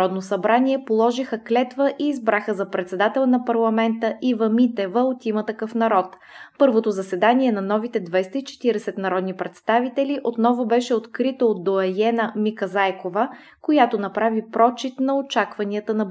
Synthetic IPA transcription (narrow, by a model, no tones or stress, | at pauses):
ɔd̪nosɐbɾaniɛpolˠɔʒixəklɛt̪vəʔiːzbɾaxəzɐpɾɛt̪sɛd̪at̪ɛlˠnɐpɐɾlˠɐmɛnt̪əʔivɐmit̪ɛvəot̪imət̪ɐkɤfnɐɾɔt̪ | pɤɾvot̪ozɐsɛd̪aniɛnɐnɔvit̪ɛd̪vajst̪əit͡ʃɛ̥t̪iɾɛsɛt̪nɐɾɔd̪nipɾɛt̪st̪avit̪ɛliʔot̪nɔvʊbɛʃɛot̪kɾit̪əod̪̚d̪ːoɛjɛnəmikɐzajkovə | kojat̪onɐpɾavipɾɔt͡ʃit̪nɐot͡ʃakvɐniət̪ənɐ